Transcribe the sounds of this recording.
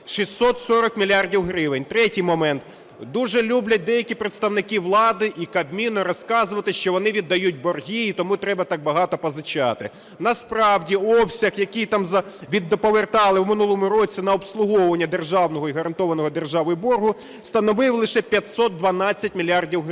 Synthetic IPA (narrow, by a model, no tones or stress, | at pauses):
ʃisʲt̪ːɔt̪sɔɾɔkmʲilʲjɑrdʲiwɦɾɪʋɪnʲt̪ɾɛtʲijmɔmɛnt̪ | d̪uʒɛlʲublʲɐt̚d̪ɛjɐkʲipɾet̪st̪ɐwnɪkɪʋlˠɑd̪ɪʔikɐbmʲinɔɾɔskɑzʊʋɐt̪ɪʃt͡ʃɔʋɔnɪʋʲid̪ːɐjut̚ʲbɔrɦʲiːt̪ɔmut̪ɾɛbɐt̪ɑk̚bɐɦɑt̪ɔpɔzɪt͡ʃɑt̪ɪ | nɐspɾɑwdʲiɔpsʲɐxjɐkijt̪ɑmzɐʋʲid̪ːɔpɔʋert̪ɑlˠɪwmɪnulˠɔmʊɾɔt͡sʲinɐɔpslˠʊɦɔʋɐnʲːɐd̪erʒɑwnɔɦɔiɦɐɾɐnt̪ɔʋɐnɔɦɔd̪erʒɑʋɔjʊbɔrɦʊ | st̪ɐnɔʋɪwlˠɪʃɛpʲjɐt̪ʲsɔt̪̚d̪ʋɐnɑt͡sʲːɐt̚ʲmʲilʲɑrdʲiwɦ